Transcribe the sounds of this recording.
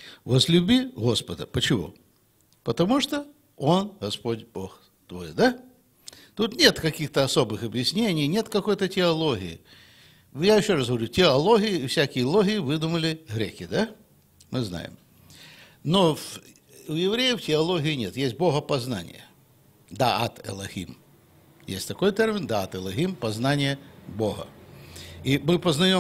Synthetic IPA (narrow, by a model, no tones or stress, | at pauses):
vəzlʲʉbʲiɣo̞spəd̪ə̰pət͡ɕɪvṵ | pət̪ɐmuʂt̪o | o̞nɣɐspo̞tʲbox | t̪vojd̪a | t̪ut̪nʲe̞t̪kɐkʲixt̪əɐso̞bɨxɐbjɪsʲnʲenʲɪjnʲe̞t̪kɐko̞jt̪ətʲɪɐlˠoɣʲɪ̰jɪ̰ | jajɪɕːo̞rasɣəʋɐɾʲutʲɪɐlˠo̞ɣʲɪjɪfsʲækʲɪjəlˠoɣʲɪjɪvɨd̪ʊməlʲɪɣɾʲekʲɪd̪a | mɨzna̰jɪ̰m | nov | ʊjɪvɾʲejəftʲɪɐlˠo̞ɣʲɪɪnʲe̞t̪jesʲt̚ʲboɦəpɐzna̰nʲɪ̰jə | d̪aɐt̪ɛ̰lˠɐxʲḭm | jḛsʲtʲt̪ɐko̞jt̪ermʲɪnd̪aat̪ɨlˠɐxʲimpɐznanʲɪjəboɦə̰ | imɨpəznɐjom